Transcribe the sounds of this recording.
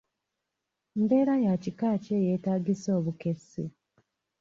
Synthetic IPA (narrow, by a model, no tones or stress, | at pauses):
mbe̞ːɾajacikaːceje̞taːɡiso̞ːβuke̞sḭ